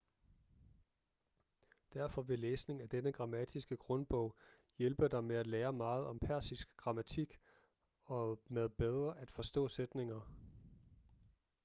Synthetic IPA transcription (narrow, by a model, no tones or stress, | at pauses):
d̥æɐfɒ̽ʋe̝leːsne̝ŋæd̥enəɡ̥ʁɑ̈mæd̥ʰisɡ̥əɡ̥ʁɔ̽nb̥ɔ̽ʊ̰ | jelb̥əd̥ɑ̈ɪmeæd̥leːɐmɑ̈ːð̞̩ˠɒ̽mpʰæɐsisɡ̥ɡ̥ʁɑ̈mæt͡sʰiɡ̥ | ɒ̽meðˠb̥eð̞ˠʁɐʔæd̥fɒ̽sd̥ɔ̰̽ːsed̥ne̝ŋɐ